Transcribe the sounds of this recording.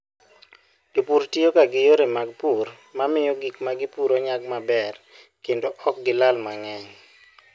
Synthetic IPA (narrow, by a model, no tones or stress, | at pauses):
ipuɾtiokaɡɪjoɾemaɡ̚pur | mamɪjɔɡikmaɡɪpuɾoɲaɡ̚mabɛr | kendoʔɔk̚ɡɪlalmaŋɛŋ